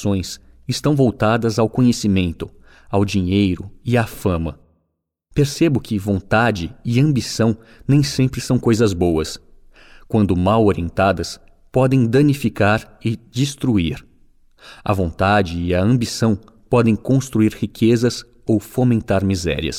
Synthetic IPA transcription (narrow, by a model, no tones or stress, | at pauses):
sõj̃s | ɪst̪ɐ̃w̃vowt̪ad̪ɐzawkõɲesimẽnt̪ʊ | awd͡ʒiɲejɾʊɪafɐ̃mɐ̰ | peɾsebʊkʰɪvõnt̪ad͡ʒɪɪɐ̃mbisɐ̃w̃ | nẽj̃sẽmpɾɪsɐ̃w̃kojzɐzbowɐs | kwɐ̃nd̪ʊmawoɾiẽnt̪ad̪ɐs | pɔd̪ẽj̃d̪ɐ̃nifikaɾɪd͡ʒist̪ɾuiɾ | ɐ̰võnt̪ad͡ʒɪːɐɐ̃mbisɐ̃w̃ | pɔd̪ẽj̃kõst̪ɾuiɾhikʰezɐs | owfomẽnt̪aɾmizɛ̰ɾiɐ̰s